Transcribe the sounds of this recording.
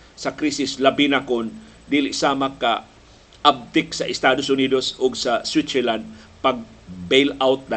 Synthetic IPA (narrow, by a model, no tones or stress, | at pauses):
sɐkɾisɪslɐbinakʊn | d̪iːlɪʔsaːmakːa | ʔab̚t̪ɪksɐʔɪst̪aːd̪osʊniːd̪osʔʊɡsɐswit̪sɛland̪̚ | pɐɡ̚ | bejlawt̪̚na